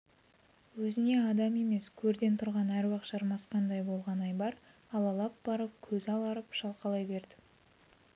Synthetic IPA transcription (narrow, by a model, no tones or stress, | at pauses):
wɵzɪne̞ɑd̪ɑme̞me̞skʲʰɵɾd̪e̞nt̪ʰʊɾʁɑnæɾwɑqʒɑɾmɑsqɑnd̪ɑjbo̞lˠʁɑnɑjbɑɾ | ɑlˠɑlˠɑp̚b̥ɑɾəp̚kʲʰɵzɑlˠɑɾəpʃɑlˠqɑlˠɑjbe̞ɾd̪ɪ